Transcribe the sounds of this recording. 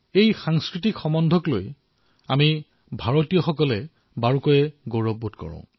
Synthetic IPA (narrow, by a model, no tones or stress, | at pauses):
ejxaŋskɹitikxɔmɔndʱɔklo̰j | ami | bʱaɹotijɔxɔkɔlɛ | baɹukɔjɛɡoɹɔbːutkɔ̰ɹɔ̰̃ʊ̃